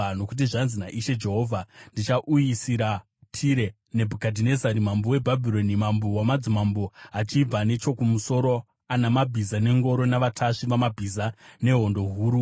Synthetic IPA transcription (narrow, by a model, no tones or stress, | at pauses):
no̞kut̬iʐanzinaʔiʃe̞d͡ʒe̞ɦo̞ːvʱandit͡ʃaʔujisiɾa | tʰiɾe̞ | ne̞bʱukadʱine̞zaɾimambowe̞bʱabʱiɾo̞nimambowamad͡zimamboat͡ʃib͡vane̞t͡ʃo̞kumuso̞ɾo̞ | anamabʱizane̞ŋɡo̞ɾo̞naʋatʰaʂiʋamabʱizane̞ɦo̞ndo̞ɦuːɾu